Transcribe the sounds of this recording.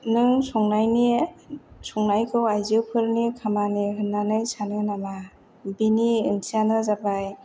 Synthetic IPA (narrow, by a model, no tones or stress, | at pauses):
nɯŋsɔŋnajni | sɔŋnajkʰɯwajziwpʰɯɾnikʰamaniɦɯnːanɯjsanɯnama | biniɯnsianɯzabaj